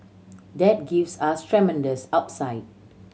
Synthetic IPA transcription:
dɛt̚ɡifsastʰɹɛmɛ̃ndəsap̚saɪt̚

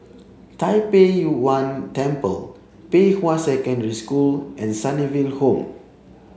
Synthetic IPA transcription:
tajpejuwãntɛ̃mpə̰l | pewãnsɛkə̃ndəɹiskulʔɛ̃nsãnivilhõm

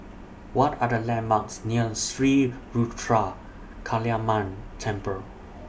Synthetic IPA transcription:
wɔtʰadəlɛ̃nmaksnilsɹi | ɹutʰɹa | kʰaliamãntʰɛ̃mpə

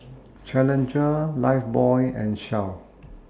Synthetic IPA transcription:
t͡ʃɛlə̃nd͡ʒəlaɪfbɔɪɛ̰̃nʃaʊ

